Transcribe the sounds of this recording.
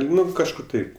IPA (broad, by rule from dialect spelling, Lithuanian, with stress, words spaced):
ˈnʊ kɐʃˈkʊr ˈtɐɪp